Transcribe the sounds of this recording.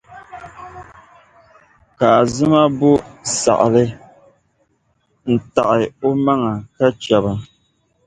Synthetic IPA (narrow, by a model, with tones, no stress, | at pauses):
ka˨zɨ˦ma˦bo˦sa̰˨ʔlɨ˦ | n̩˨ta˨ʔɪ˨o˦ma˦ŋa˨ka˦t͡ʃɛ˨ba˨